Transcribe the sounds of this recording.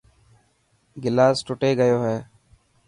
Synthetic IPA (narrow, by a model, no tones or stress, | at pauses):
ɡɪlaːsʈʊʈeːɡəjoːɦɛː